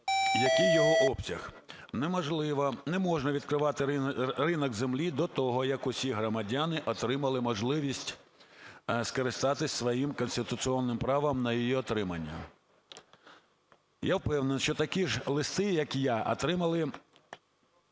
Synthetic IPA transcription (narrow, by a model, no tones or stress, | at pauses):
jɐkɪjːɔɦɔʔɔpsʲɐx | nɛmɔʒlˠɪʋɐnɛmɔʒnɐʋʲid̪kɾɪʋɑt̪ɪrɪnɔɡzemlʲid̪ɔt̪ɔɦɔjɐkʊsʲiɦɾɔmɐdʲanɪʔɔt̪ɾɪmɐlˠɪmɔʒlˠɪʋʲisʲtʲ | skɔɾɪst̪ɑt̪ɪsʲsʋɔjimkɔnʲsʲt̪ɪt̪ʊsiɔnːɪmpɾɑʋɐmnɐjijiɔt̪ɾɪmɐnʲːɐ̰ | jawpɛwnenʃt͡ʃɔt̪ɐkʲiʒlˠɪst̪ɪjɐkjaʔɔ̰t̪ɾɪmɐlˠɪ